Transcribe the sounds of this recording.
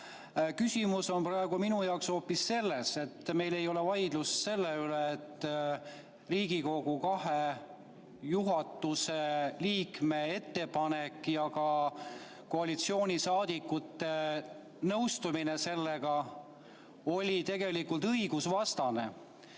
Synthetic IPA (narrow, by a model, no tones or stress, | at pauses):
kysʲimuso̞nprɑeɡ̥uminujɑokso̞ːpːisːe̞lːe̞se̞t̪ːme̞jle̞jo̞le̞vɑjd̪̥lusse̞lːeyleːt̪ˑː | riːɡ̥iko̞ɡ̥ukɑhe | juɦɑt̪ːˑuse̞liːkme̞e̞t̪ːe̞pɑnekˑːjɑkɑ | ko̞ɑlit̪sio̞ːnʲisɑːd̪̥ikːˑut̪ːe̞ | nɤwst̪uminese̞lːe̞ɡ̥ɑ | o̞lʲit̪e̞ɡ̥e̞likːult̪ɤjɡ̥usvɑst̪ɑne̞̰